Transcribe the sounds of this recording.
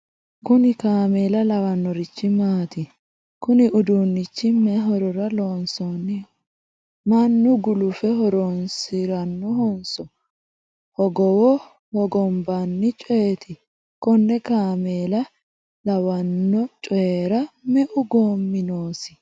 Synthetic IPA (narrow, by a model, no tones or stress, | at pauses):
kʊnɪkaːmeːlɐlɐwɐnːɔɾɪt͡ʃːɪmaːt̪ɪ | kʊnɪʔʊd̪uːnːɪt͡ʃːɪmɛɦɔɾɔɾɐloːnsɔnːɪ | mɐnːʊɡʊlʊfɛɦɔɾonsɪɾɐnːɔɦɔnsɔ | hɔɡɔwɔ | hɔɡɔmbɐnːɪt͡ʃʼɔjet̪ʰɪ | kɔnːɛkaːmeːlɐ | lɐwɐnːɔt͡ʃʼɔjeːɾɐmɛʔʊɡoːmːɪnoːsɪ̥